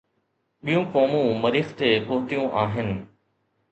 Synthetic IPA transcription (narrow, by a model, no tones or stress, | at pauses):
ɓijũkoːmũmɐɾiːxt̪eːpʊɦʊt̪ijũʔaːɦɪnɪ̆